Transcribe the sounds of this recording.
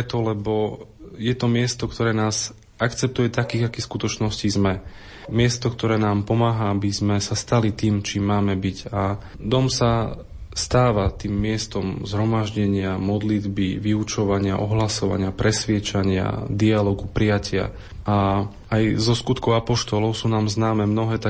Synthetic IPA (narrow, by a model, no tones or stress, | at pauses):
ɛt̪ɔlɛbɔjɛt̪ɔmɪɛst̪ɔkt̪ʰɔɾɛːnaːz | akt͡sɛp̚t̪ujɛt̪akiːɣakiskut̪ɔt͡ʃnɔscizmɛ | mɪɛst̪ɔkt̪ɔɾɛːnaːmpɔmaːɦaabizmɛsast̪alit̪iːmt͡ʃiːmːaːmɛbiɟa | d̪ɔmsa | st̪aːʋat̪iːmːɪɛst̪ɔmzɦɾɔmaʒɟɛɲɪamɔd̪lid̪biʋiut͡ʃɔʋaɲɪa̰ʔɔɦlasɔʋa̰ɲɪapɾɛsʋɪɛt͡ʃaɲɪa̰d̪ialɔɡupɾijacʰɪa̰ | a | ajzɔskut̪kɔʊapɔʃt̪ɔlɔʊsuːnaːmznaːmɛmnɔɦɛːt̪a